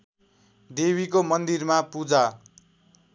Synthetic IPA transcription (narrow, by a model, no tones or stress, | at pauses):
d̪ebikomʌnd̪irmapud͡za